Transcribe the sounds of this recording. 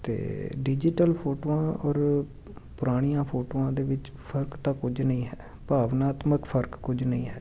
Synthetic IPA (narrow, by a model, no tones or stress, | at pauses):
t̪ḛːɖid͡ʒɪʈəlpʰoːʈoːãːɔːɾ | pʊɾaːɽ̃ijãːpʰoːʈoːãːd̪eːʋɪt͡ʃ | pʰəɾkt̪ãːkʊd͡ʒnəĩːɦɛː | paːʋnaːt̪məkpʰəɾkkʊd͡ʒnəĩːɦɛː